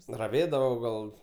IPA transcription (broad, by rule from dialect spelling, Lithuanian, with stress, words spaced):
rɐˈʋʲeːdɐʋoː ɡɐlˠ